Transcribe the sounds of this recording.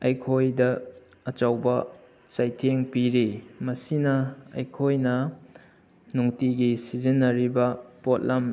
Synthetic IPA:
ɐjkʰojdɐɐt͡ʃawbɐ | sajtʰeŋpiɾimɐsinɐɐ̰jkʰojnɐ | nuŋtiɡisizinːɐɾibɐpot̚lʔɐm

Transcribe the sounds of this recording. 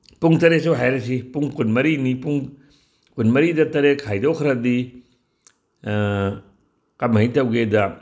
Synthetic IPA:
puŋtɐɾesuɦajɾɐsipuŋkunmɐɾinipuŋ | kunmɐɾidɐtɐɾekʰːajdowkʰɐɾɐdi | kɐmɐitɐwɡedɐ

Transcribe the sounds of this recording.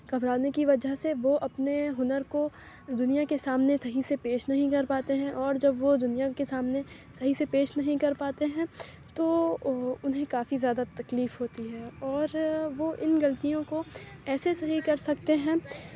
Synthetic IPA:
kɐbɾaːnekiʋɐd͡ʒaɦseʋoʔɐpneɦʊnəɾko | d̪ʊnijakesaːmnesɐɦisepeːʃnɐɦĩkɐɾpaːt̪eɦɛ̃ʔɔːɾd͡ʒɐbʋod̪ʊnijakesaːmne | sɐɦisepeːʃnɐɦĩkɐɾpaːt̪eɦɛ̃ː | t̪o | ʊnɦẽkaːfizjaːd̪at̪ɐkliːfɦoːt̪iɦɛːɔːɾʋoʔɪnɡɐlt̪ijõkoɛːsesɐɦikɐɾsɐkt̪eɦɛ̃ː

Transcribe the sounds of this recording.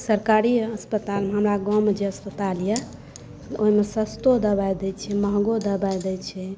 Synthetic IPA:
səɾkaɾiəspət̪almeɦəmɾaɡɔ̃wmed͡ʒeəspət̪aljɛ | oɦimesəst̪od̪əbajd̪ɛt͡ʃʰɛməɦɡod̪əbajd̪ɛt͡ʃʰɛ

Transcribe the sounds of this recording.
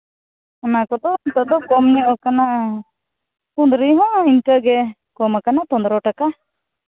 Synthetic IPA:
anakɔd̪ɔt̪əd̪ɔkɔmɲiʔɔkanaʔ | tund̪ɾijɦɔ̃inkəɡɛ | kɔmakanat̪ɔ̃nd̪ɾɔʈaka

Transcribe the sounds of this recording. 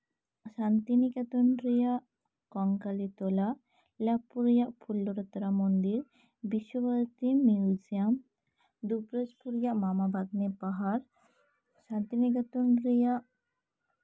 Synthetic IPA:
ʃant̪inikat̪onɾijaʔ | kɔŋkalit̪ola | lapːuɾjaʔpʰulːoɾət̪ɾamond̪iɾ | biʃːobʱaɾt̪imiud͡ʒijam | d̪upɾespuɾjaʔmamabʱad̪̚nepaɦaɾ | ʃant̪inikat̪onɾijaʔ

